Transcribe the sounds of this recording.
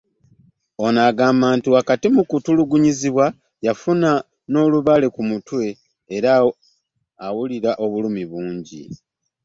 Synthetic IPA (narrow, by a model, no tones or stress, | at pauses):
o̞naɡaːmaːntuakatimukutuluɡuɲiziβwa | jafuna | no̞ːluβale̞kumutwe̞ː | ɾaː | wuliɾaʔo̞βulumiβuːɲɟḭ